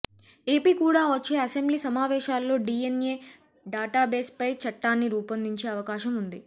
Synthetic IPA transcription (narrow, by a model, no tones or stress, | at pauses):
e̞ːpiːkuːɽaːʋɐt͡ʃːe̞ːɐsembliːsɐmaːʋɛːʃaːlːo̞ːɖiːenje̞ː | ɖaːʈaːbeːspɐjt͡ʃɐʈːaːnːiɾuːpɐnd̪iɲt͡ʃe̞ːɐʋɐkaːʃɐmund̪i